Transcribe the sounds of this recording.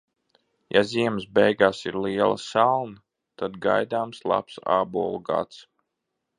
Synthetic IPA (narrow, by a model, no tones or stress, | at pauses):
jaziɛməsbɛjɡaːsiɾliɛlˠɐ̰salˠnɐ | t̪ad̪ɡajd̪aːmslˠa̰psa̰ːbuɔlˠɡa̰t̪s